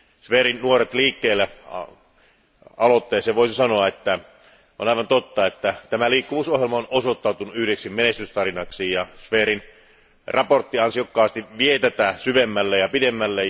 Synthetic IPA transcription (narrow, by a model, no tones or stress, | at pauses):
sʋeːɾinnuoret̪liːkːeːlːe | ɑlot̪ːeːseʋoˑisisɑnoɑet̪ːæ | ʔo̰nɑˑiʋɑnt̪ot̪ːɑet̪ːæt̪æmæliːkːuʋuːsohjelmɑonosot̪ːɑˑut̪unuʔyhɾeksimmenest̪yst̪ɑrinɑksiːjjɑsʋeːɾin | rɑport̪ːiɑnsiokːɑːst̪iʋiet̪æt̪æsyʋemːælːejɑpidemːælːe